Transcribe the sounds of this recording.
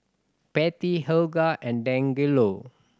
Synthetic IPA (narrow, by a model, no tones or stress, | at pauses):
pɛt̪iɦəlɡaʔɛ̃ndɛ̃ŋɡilo